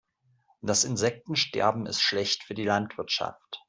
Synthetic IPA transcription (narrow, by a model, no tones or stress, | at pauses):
d̥asɪnzɛk̚tn̩ʃtɛ̰ɐbm̩ɪ̰stʃlɛçtfyːɐdiːlantv̥ɪɐtʃa̰ft